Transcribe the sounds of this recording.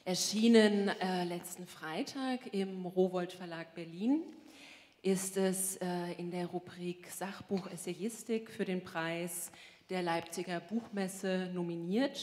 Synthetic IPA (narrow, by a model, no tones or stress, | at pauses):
ʔɛɐʃiːnənɛlɛt͡stn̩fʁ̥aɪtʰaːkɪmʁoːvɔltfɛɐlaːk̚b̥ɛɐliːn | ʔɪstɛsɛːɪndeːɐʁubʁiːkz̥aχb̥uːxʔɛsejɪstɪkfyːɐɾeːnpʁ̥aɪs | d̥eːɐlaɪp̚t͡sɪɡɐbuːxmɛsənominiːɐt